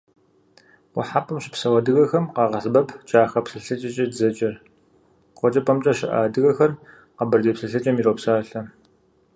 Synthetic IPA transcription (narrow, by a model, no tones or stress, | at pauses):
wʷʊħapʰʼɨmɕɪ̥psɐwɐdɨɣɐxɐmqɑːʁɐɬbɐpʰt͡ʃʼaːxɐpsɨɬɐt͡ʃʼɐt͡ʃʼɐdzɐt͡ʃʼɐr | qʷɔt͡ʃʼɐpʼɐmt͡ʃʼɐɕɪʔa̰ːdɨɣɐxɐr | qɐbɨrdeːpsɨɬɐt͡ʃʼɐmiɾoːpsaːɬɐ